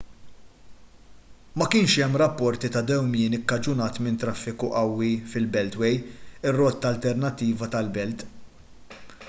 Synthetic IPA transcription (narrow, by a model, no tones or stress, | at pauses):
mɐkɪːnʃɛmːɾɐpːɔɾt̪it̪ɐd̪ɛwmɪːnɪkːɐd͡ʒʊnɐːt̪mɪnt̪ɾɐfːɪkuʔɐwːifɪlbɛlt̪wɛjɪrːɔt̪ːɐlt̪ɛɾnɐt̪ːiːvɐt̪ɐlbɛlt̪